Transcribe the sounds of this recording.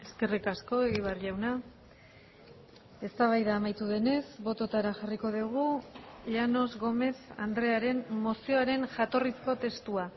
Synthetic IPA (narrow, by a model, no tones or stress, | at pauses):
e̞ske̞rikasko̞e̞ɣiβ̞erʎawna | e̞st̪aβ̞ajðaːmajt̪uðe̞ne̞zbo̞t̪o̞t̪aɾaʝariko̞ðiɣ̞uʎano̞zɣo̞me̞sa̰nd̪ɾe̞aɾe̞nmo̞sio̞aɾe̞nʝat̪o̞risko̞t̪e̞st̪ua